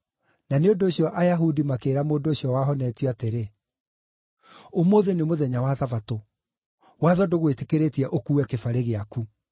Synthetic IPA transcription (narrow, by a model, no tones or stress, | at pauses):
naneondoːɕiɔʔajaɦudimakeːɾamoːdooɕjɔwaɦɔnɛtwiateɾe | omoðenemoðɛɲawaðavato | waðɔdoɣwetekeɾetiɛʔokuwɛkefaɾeɣeaku